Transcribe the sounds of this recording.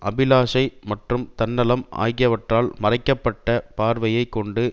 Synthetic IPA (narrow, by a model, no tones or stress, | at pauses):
ʔɐbɪlaːʂɐɪmɐʈrɯmt̪ɐnːɐlɐmʔa̰ːjɣɪjɐʋɐʈraːlmɐrɐɪkːɐpːɐʈːɐpaːɾʋɐjɐɪkːɔɳɖɯ